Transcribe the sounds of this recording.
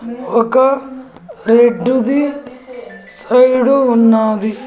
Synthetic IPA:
okɐ | eɖːud̪i | sɐjɽuunːaːd̪i

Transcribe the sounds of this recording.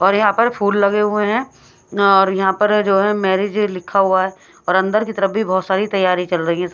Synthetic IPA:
ɔːɾjɐɦãpɐɾpʰuːlːɐɡeɦʊeɦɛ̃ | ɔːɾjɐɦãpɐɾd͡ʒoːɦɛ̃mɛːɾɪd͡ʒlɪkʰːaɦuaɦɛː | ɔːɾɐ̃nd̪əɾkit̪ɐɾəfbʱibɔɦːt̪saːɾit̪ɐjːaːɾĩt͡ʃɐlɾɐɦiɦɛ̃s

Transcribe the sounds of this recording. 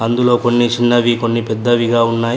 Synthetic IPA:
ɐnd̪ulo̞ːko̞nːit͡ʃinːɐʋiko̞nːipɛd̪ːɐʋiɡaːunːaːji

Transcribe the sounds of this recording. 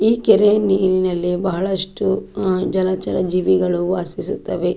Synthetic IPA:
iːkeɾeniːninɐlːibɐɦɐɭɐsʈud͡ʒɐlat͡ʃɐɾɐd͡ʒiːʋiɡɐɭuʋaːsisut̪ːɐʋe

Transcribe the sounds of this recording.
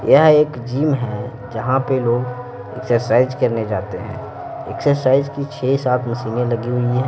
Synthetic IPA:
jəɦeːkd͡ʒiːmɦɛ̃ | d͡ʒɐɦãpeloːɡ | ḛksəɾsaːɪzkɐɾned͡ʒa̰ːt̪eɦɛ̰̃ː | ḛksəɾsaːɪzkit͡ʃʰeːsaːt̪ʰmɐsiːnẽlɐɡiɦʊiɦɛ̃ː

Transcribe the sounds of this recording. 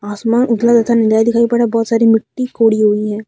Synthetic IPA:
aːsmaːnʊd̪lad̪ɐt̪ʰanɪd͡ʒaːid̪ɪkʰaːipɐɽabɔːt̪saːɾimɪʈːikoːɽiɦʊiɦɛ̃ː

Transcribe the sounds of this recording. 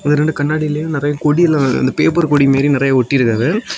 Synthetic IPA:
ɐðɯɾɛɳɖɯkɐɳːaːɽɪjɪlɐjʊ̃nɪɾɐjakɔɽijɛlːaɐ̰nd̪ɐpeːpɐɾkɔɽimeːɾijnɪɾɐjaɔʈːiɾɯkːɐðe

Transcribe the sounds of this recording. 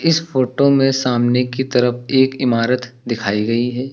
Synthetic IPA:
ɪsfoːʈomẽsaːmnekit̪ɐɾəfeːkɪmaːɾət̪d̪ɪkʰaːiɡɐiɦɛː

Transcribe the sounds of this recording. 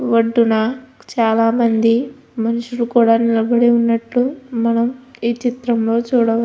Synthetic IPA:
ʋɐɖːunɐt͡ʃaːlaːmɐnd̪i | mɐnuʂuɾukuːɽaːnilɐbɐɽiunːɐʈlumɐnɐmiːt͡ʃit̪ɾɐmlo̞ːt͡ʃuːɽɐʋɐ

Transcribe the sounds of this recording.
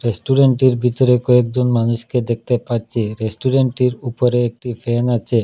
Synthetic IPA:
ɾesʈuɾeɳʈiɾbʱit̪oɾekɔek̚d͡ʑonmanuʃked̪ek̚ʰt̪epaɾt͡ɕʰiɾesʈuɾeɳʈiɾupoɾeek̚ʈifenat͡ɕʰe

